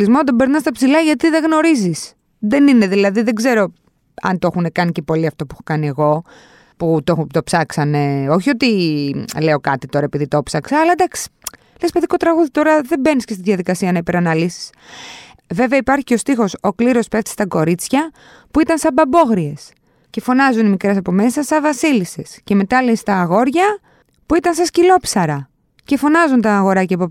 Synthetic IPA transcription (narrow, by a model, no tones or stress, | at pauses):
lizmoɐd̪obe̞ɾnɐst̪ɐpsilɐʝɐt̪iðeɣno̞ɾizis | ðe̞nine̞ðilɐðiðe̞ɡze̞ɾo̞ | ɐ̰nt̪o̞xunekɐnice̞po̞liɐft̪o̞puexokɐnie̞ɣo̞ | put̪ot̪o̞psɐksɐne̞o̞çio̞t̪ile̞o̞kɐt̪it̪o̞ɾɐepiðit̪o̞psɐksɐːlɐd̪ɐksi̥ | lespeðiko̞t̪ɾɐɣuðit̪o̞ɾɐðe̞be̞niscest̪iðʝɐðikɐsiɐnɐipe̞ɾɐnɐlisi̥s | ve̞veɐipɐɾçiceo̞st̪ixo̞so̞kliɾo̞speft̪i̥st̪ɐko̞ɾit͡sçɐ | puit̪ɐnsɐbɐbo̞ɣɾie̞s | ce̞fo̞nɐzunimikɾe̞s̬ɐpo̞me̞sɐsɐvɐsilisesce̞me̞t̪ɐleist̪ɐːɣo̞ɾʝɐ | puit̪ɐnsɐscilo̞psɐɾɐ | ce̞fo̞nɐzunt̪ɐːɣo̞ɾɐcepo